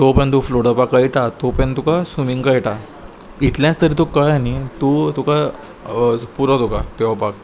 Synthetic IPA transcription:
t̪opə̃nt̪̬ufloɽəpakajiʈat̪opə̃nt̪ukasumiŋɡkaiʈa | it̪ljãt͡st̪əɾit̪ukajanit̪ut̪uka | puɾat̪ukapeʋapak

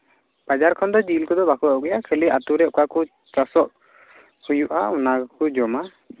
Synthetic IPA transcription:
pad͡ʒaɾkʰɔnd̪ɔd͡ʒilkɔd̪ɔbakɔɔɡɛjakʰɛliʔat̪uɾɛʔkaku | t͡ʃasɔʔ | hujuʔa̰unakud͡ʒɔma

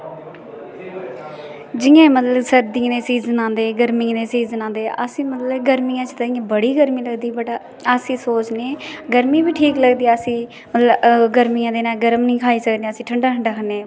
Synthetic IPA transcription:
d͡ʒɪjãːmət̪ləbsəɾd̪ĩːneːsiːzənãːnd̪eːɡəɾmɪ̃ːneːsiːzənãːnd̪eːʔəsĩːmət̪ləbɡəɾmiːãːt͡ʃt̪aĩjãːbəɽiːɡəɾmiːləɡd̪iːbəʈ | əsĩːsoːt͡ʃneːɡəɾmĩːbiːʈʰiːkləɡd̪iːəsĩː | mət̪ləbɡəɾmiːãːd̪eːnaːɡəɾəmnĩːkʰaːiːsəkd̪eːəsĩːʈʰəɳɖaːʈʰəɳɖaːkʰəneː

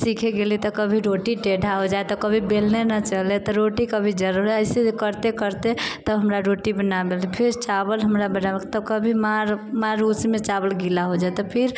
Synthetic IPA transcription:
sikʰeɡelit̪ɔkəbʱiɾoʈiʈeɖʱaɦod͡ʒaet̪ɔkəbʱibelnenət͡ʃəlet̪ɔɾoʈikəbʱid͡ʒəɾuɾɦɛəɪsed͡ʒkəɾt̪ekəɾt̪et̪əɦəmɾaɾoʈibənabelipʰeɾt͡ʃabəlɦəmɾabənamət̪ləbkəbʱimaɾmaɾusmet͡ʃabəlɡilaɦod͡ʒaet̪ɔpʰiɾ

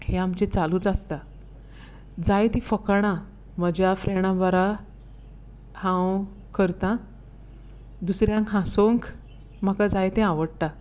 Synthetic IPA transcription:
heamt͡ɕet͡saluːt͡sast̪a | d͡zajt̪ifəkɳ̃ã | məd͡ʑjafɾeɽ̃ãbəɾa | hãw | kʰəɾt̪ã | d̪usɾjãŋkɦãsoŋk | m̤akad͡zajt̪ẽaʋəɽʈ̪a

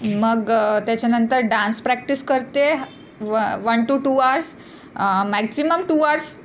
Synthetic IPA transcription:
məɡt̪jat͡ɕjanənt̪əɾɖãnspɾæk̚ʈiskəɾt̪e | ʋənʈuʈuaɾs | mæksiməmʈuaɾs

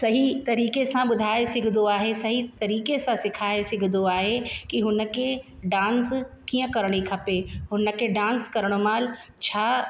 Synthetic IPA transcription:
sɐɦit̪ɐɾiːkesãɓʊd̪ʱaːesɪɡʱɪd̪oaːɦesɐɦit̪ɐɾiːkesãsɪkʰaːesɪɡʱɪd̪oaːɦekiɦʊnə̆kʰeɖãːnskiːə̃kɐɾɽ̃ikʰɐpeɦʊnə̆kʰeɖãːnskɐɾɽ̃omaːlt͡ɕʰaː

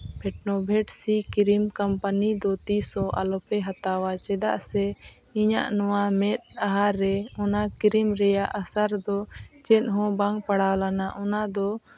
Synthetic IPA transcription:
pʰɛʈnɔbʱɛʈsikiɾimkampanid̪ɔt̪isɔʔa̰lɔpɛɦat̪awat͡ʃɛd̪aʔsɛ | iɲa̰ʔnɔwamɛt̪̚ˀaɦaɾɛɔnakiɾimɾɛjaʔasaɾd̪ɔt͡ʃɛt̪̚ɦɔ̃baŋpaɽawlanaʔɔnad̪ɔ

